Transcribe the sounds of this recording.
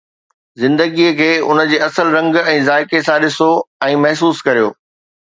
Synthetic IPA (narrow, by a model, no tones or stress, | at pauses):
zɪ̃nd̪əɡiːəkʰeːʊnə̆d͡ʑeːɐsəlɾɐ̃ŋɡɛ̃ːzaːɪkesãɗɪsoɛ̃ːmɐɦs̬uːskɐɾijoː